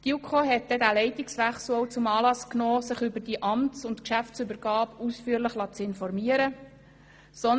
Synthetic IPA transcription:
d̥iukʰoɦɛt̚d̥̪ɛdæːlɛɪt̪ɪksʋɛχsl̩owt͡sʊmɑːlɑsknɔːsɪχʏbəɾd̥iʔɑmtt͡sʊnt̪kʃæftt͡sʏbəɾɡ̥ɑːpusfyːəɾləχlɑt͡sɪnfɔɾmiːəɾə | sɔn

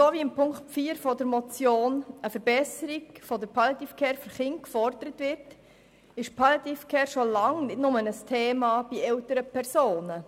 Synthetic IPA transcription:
soːʋiɪmpʰʊŋkfiːəɾfɔdəɾmɔt͡sjoːnəfəɾb̥ɛsəɾiɡfɔdəɾpʰɑljɑt̪iːfkʰɛːɾfyɾχɪnkfɔɾd̪əɾətʋɪɾt | ɪʃpʰɑljɑt̪ifkʰɛːɾʃolɑŋnɪdnʊmənəstʰeːmɑːb̥iɛltəɾəpʰɛɾsoːnə

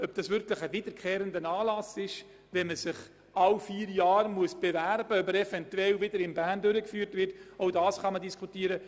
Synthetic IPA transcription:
œb̚d̥ɑsʋʏɾkləχəvɪdəɾkʰχeːɾəndənɑːlɑsɪʃ | ʋɛnməsɪχ | ɑlfiːɾjɑːɾmuəsb̥ɛvæɾbəœbəɾɛfɛntwɛlvɪdəɾɪnbæːndʏɾəkfyːɾtvɪrtoʊdɑːsχɑmədiskʰutiːəɾə

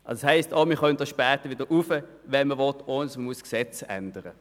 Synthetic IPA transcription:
ʔɑsshaɪstoːmiːχœnt̚d̥ɑsʃpɛːtəʋɪdəɾʔufə | ʋɛnməʋɔtonsməmuəsksɛt͡sɛ̰nd̥əʁə

